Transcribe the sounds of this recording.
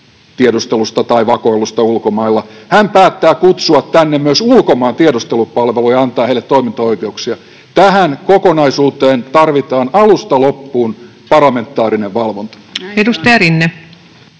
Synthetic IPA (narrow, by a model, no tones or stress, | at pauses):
t̪iedust̪elust̪ɑt̪ɑiʋɑkoilːˑust̪ɑulkomɑilːɑhæmpæːt̪ːæːkut̪suɑt̪t̪ænːemmyøsulkomɑːnt̪iedust̪elupɑlʋelujɑɑnt̪ɑːheilːˑet̪t̪oimint̪ɑoikeuksiɑ | t̪æhænkokonɑisuːt̪eːnt̪ɑrʋit̪ɑːnɑlust̪ɑlopːuːn | pɑrlɑme̞nt̪ːˑɑːɾineʋʋɑlʋont̪ɑ̥edust̪ɑjɑrinːe